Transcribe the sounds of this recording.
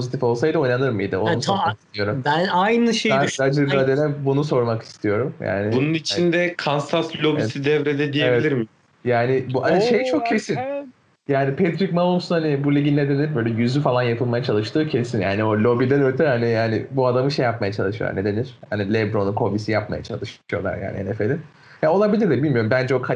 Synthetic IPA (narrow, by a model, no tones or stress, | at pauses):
pʰozit̪ʰifo̞lˠsajd̪ɯojnanɯɾmɯḭjd̪ɯonuomakist̪ʰijoɾumbænajnɯʃejænad͡ʒɯɾad̪elʲɛbunuso̞ɾmaki̥st̪ʰijo̞ɾumja̰ːnɪbununit͡ʃʰind̪ɛkʰansaslʲo̞biɛsid̪ɛvɾɛd̪ɛd̪ijeeviɛlʲiɾmɪ | jaːnɪbuhaniʃejt͡ʃʰo̞kcʰe̞sin | jaːnipʰɛt̪ɾikmalomsunhanibulʲiɟʲinlʲed̪enʲiɾbølʲɛjyzyfalˠanjapʰɯlˠmajat͡ʃʰalˠɯʃt̪ʰɯːcʰe̞sinja̰ːnio̞lʲo̞bid̪ænøɾt̪ʰɛhanianɪ̰buad̪amɯʃejap̚majat͡ʃʰalˠɯʃɯjo̰a̰ne̞d̪e̞niɾ̥hanilʲɛbɾo̞nunkʰo̞bisijap̚ma̰ja̰t͡ʃʰa̰lˠɯʃɯjo̞lˠa̰ɾja̰a̰nihnefelʲin | jao̞lˠabilʲiɾd̪ʲɛbilʲmijo̞ɾumbænd͡ʒɛokʰa